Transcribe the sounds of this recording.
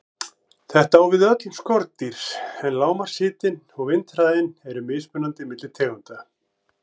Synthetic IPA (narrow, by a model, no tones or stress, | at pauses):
θɛht̪aawvɪðœt̪lskɔɾt̪̚t̪ːiɾ̥sɛnlaːwmaɾ̥sɪːt̪ɪn | ɔɣvɪnt̪ɾaːðɪnɛɾʏmɪspʏnant̪ɪmɪt̪lɪt̪ʰɛːɣʏnt̪a